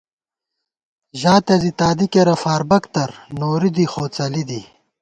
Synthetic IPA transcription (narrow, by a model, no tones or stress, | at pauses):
ʑaːt̪ezit̪aːd̪ikeɾɐfaːɾbɐkt̪ɐɾnoːɾid̪ixoːt͡sɐlid̪i